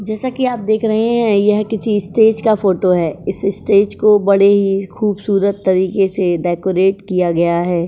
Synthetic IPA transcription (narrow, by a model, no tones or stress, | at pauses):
d͡ʒɛːsakiaːp̚d̪eːkʰɾɐɦeɦɛ̃jɐɦkɪsiɪsʈeːd͡ʒkafoːʈoɦɛːɪsɪsʈeːd͡ʒkobɐɽeɦixuːbsuːɾət̪ːɐɾiːkeseɖɛːkoɾeːʈkijaɡɐjaɦɛː